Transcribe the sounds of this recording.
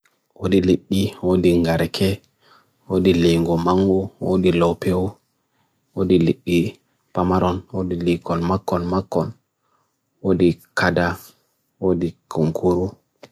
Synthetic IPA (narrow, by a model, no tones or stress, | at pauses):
wodiliɗːiwodiŋɡaɾkʰɛ | wodiliŋɡɔmaŋɡuwo̰dilɔwpewu | wodiliɗːi | pamaɾɔnwodilikɔnmakːɔnmakːɔn | wodikada | wodikʰuŋkʰuɾu